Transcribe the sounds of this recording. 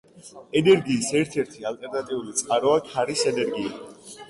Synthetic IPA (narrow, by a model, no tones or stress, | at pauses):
ɛnɛɾɡiːsɛɾt̪ʰɛɾt̪ʰialt̪ʼɛɾnat̪ʼiulit̪sʼqʼaɾɔakʰaɾisɛnɛɾɡia